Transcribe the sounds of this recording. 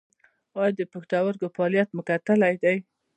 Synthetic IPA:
ɑjd̪əpəxt̪awəɾɡofɑlijat̪mʊkat̪əlajd̪aj

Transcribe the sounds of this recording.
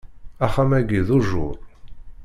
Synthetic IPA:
æχæmæɡiðuʒʊ̰ɾˤ

